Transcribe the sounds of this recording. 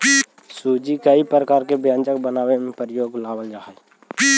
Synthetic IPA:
suːd͡ʒikaipɾəkaːɾkebjãːnt͡ʃək̚bənaːwemẽpəɾəjoːɡlaːwəld͡ʒaːɦɛ

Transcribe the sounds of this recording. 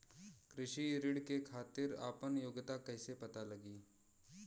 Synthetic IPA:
kɾɪʃiɾɪɽkekʰaːt̪ɪɾa̰ːpənjoːɡt̪akɛːsepɐt̪alɐɡiː

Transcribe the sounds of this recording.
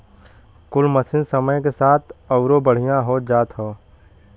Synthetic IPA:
kʊlməsɪ̃nsəməjkesaːt̪ʰɐʊɾobəɽ̤ijãɦoːd͡ʒaːt̪ɦoː

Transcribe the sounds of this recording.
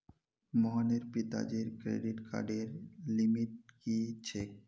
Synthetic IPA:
mɔɦaneɾpit̪a̰d͡ʒeɾkɾḛɖiʈka̰ɾɖeɾlimiʈ̚kit͡ɕʰek̚

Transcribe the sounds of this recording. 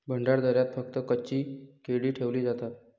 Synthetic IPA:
bʱəɳɖaɽd̪ʱəɾjat̪fək̚t̪əkət͡ɕiːkeɽiːʈʰeʋliːd͡zat̪at̪̚

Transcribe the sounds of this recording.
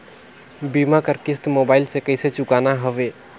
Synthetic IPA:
bimakəɾkɪsʈmobaːɪlsekəɪset͡ʃʊkanaɦəʋeː

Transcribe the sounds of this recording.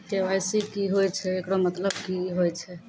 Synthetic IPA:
ʈeʋajsikiɦojt͡ʃʰɛekɽomət̪ləb̚kiɦojt͡ʃʰɛ

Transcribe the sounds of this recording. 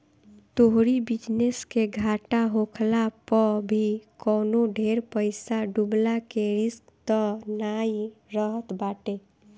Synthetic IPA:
t̪oɦɾibid͡ʒneskeɡʱaʈaɦokʰlapəbʱikɔːnoɖʱeɾpəɪsaɖublakeɾɪskt̪ɔnaiɾəɦət̪baʈe

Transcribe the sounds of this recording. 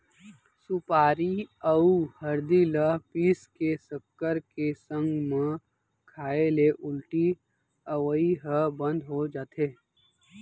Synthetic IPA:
sʊpaːɾiəuhɐɾd̪iləpiːskesəkːəɾkesə̃ŋɡmẽ | kʰaːeleʔʊlʈi | əʋəiɦəbə̃nd̪ʱɦod͡ʒaːt̪eː

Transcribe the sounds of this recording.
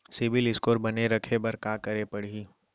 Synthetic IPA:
sɪbɪlɪskoːɾbɐneɾɐkʰebɐɾkaːkɐɾepɐɽ̤iː

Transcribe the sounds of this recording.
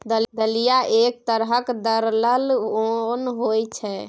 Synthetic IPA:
d̪əld̪əlijaʔek̚t̪əɾɦəkd̪əɾləlonɦojt͡ʃʰɛ

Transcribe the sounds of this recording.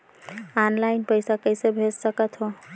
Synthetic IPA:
anlaɪnpəɪsakəɪsebʱessəkət̪ɦo

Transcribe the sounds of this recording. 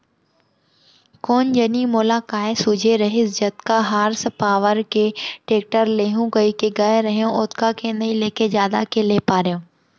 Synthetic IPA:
koːnd͡ʒɐnimoːlakaːesʊd͡ʒʱeɾɐɦɪsd͡ʑɐt̪kaɦaːɾspaːʋəɾkeːʈeːk̚ʈəɾleːɦũɡɐikeɡaːeɾɐɦijõʔʊt̪kakʰenɐĩleːkʰezjaːd̪akelepaːɾijõː

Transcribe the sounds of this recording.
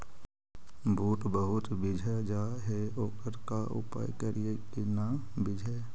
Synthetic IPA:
buːʈbəɦʊt̪bɪd͡ʒʱad͡ʒaːɦeoːkəɾkaʔʊ̰pa̰ːjkəɾijekenaːbɪd͡ʒʱa

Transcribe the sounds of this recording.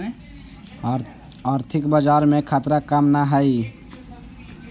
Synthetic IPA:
aɾt̪ʰikbəd͡ʒaɾmekʰat̪ɾakəmnaɦəi

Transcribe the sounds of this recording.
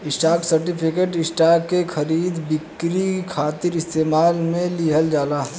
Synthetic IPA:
ɪsʈaːksɐɾʈɪpʰɪkeːʈɪsʈakekʰɐɾiːd̪bɪkɾikʰaːt̪ɪɾɪst̪eːmaːlmẽliɦəld͡ʒaːlaː

